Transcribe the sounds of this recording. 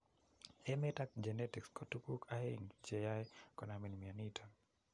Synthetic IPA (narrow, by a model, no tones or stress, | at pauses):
ɛmɛtakd͡ʒenɛtikskɔtukukʰaheŋt͡ʃejajkɔnaminmianitʰa